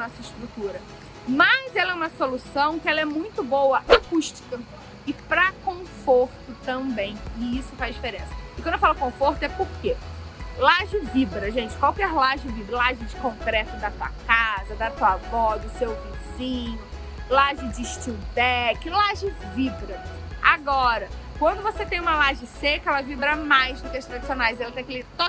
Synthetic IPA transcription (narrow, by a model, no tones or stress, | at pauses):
nɔsɐɪʃt̪ɾut̪uɾɐ | mɐzɛlɛũmɐsolusɐ̃w̃kɪɛlɐɛmũj̃t̪ʊbowɐʔakuʃt͡ʃi̥kɐ | ɪpɾɐkõfoɾt̪ʊt̪ɐ̃mbẽj̃ɪisʊfazd͡ʒifeɾẽsɐ̥ɪkɐ̃newfalʊkõfoɾt̪ʊɛpoɾkelaʒɪvibɾɐʒẽt͡ʃɪ̥kwawkɛɾlaʒɪvibɾɐlaʒɪd͡ʒɪkõŋkɾɛt̪ʊd̪at̪uɐ̰kazɐd̪at̪uɐvɔd̪ʊsewvizĩɲʊ | laʒɪd͡ʒɪʃt͡ʃid̪ɛkɪlaʒɪvibɾɐ | a̰ɡɔɾɐkwɐ̃nd̪ʊvoset̪ẽj̃ũmɐlaʒɪsekɐɛlɐvibɾɐmajzd̪ʊkɪɐʃt̪ɾad͡ʒisionajzɛlɐt̪ẽj̃kɪleɾt̪o